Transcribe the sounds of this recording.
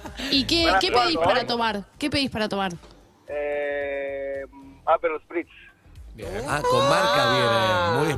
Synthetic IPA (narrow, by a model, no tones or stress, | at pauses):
ikekepeðispaɾat̪omaɾkepeðispaɾat̪omaɾ | e | apelospɾit͡ʃ̪s | a̰kommaɾkaβioemuj